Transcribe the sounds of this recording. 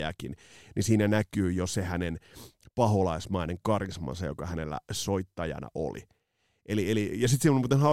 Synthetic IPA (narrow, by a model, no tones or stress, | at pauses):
æ̰kinnisiːnænækyːjosehænenpɑɦolɑismɑineŋkɑrismɑ̰nsɑjo̰kɑhænelːæ̰soit̪ːɑjɑ̰nɑ̰ʔo̰lḭ | ʔelielijɑsit̪simmut̪ːenhɑ